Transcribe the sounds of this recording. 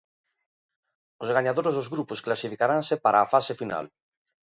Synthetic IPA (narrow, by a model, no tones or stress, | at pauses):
ozɣaɲaðoɾezðozɣɾuposklasifikaɾansepaɾaːfasefina̰l